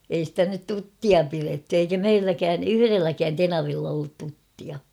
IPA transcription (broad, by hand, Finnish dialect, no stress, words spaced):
ei stæ nyt tutːiɑ piretːy eikæ meilːækæːn yhyrelːækæːn tenɑʋilː olːut tutːiɑ